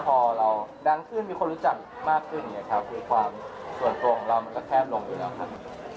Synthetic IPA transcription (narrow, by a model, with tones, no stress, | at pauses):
pʰɔː˧ɾa˧wda˧ŋkʰɯː˥˩nmiː˧kʰo˧nɾu˦˥t͡ɕa˨˩k̚ | maː˥˩kʰːɯ˥˩nji˨˦˥na˨˩kʰa˦˥p̚kɯː˧˦kʰwaː˧msu˨˩ənto˧ŋɾa˧wma˧nkɔː˥˩kʰɛː˥˩p̚lo˧ŋjuː˨˩lɛː˦˥wkʰa˦˥p̚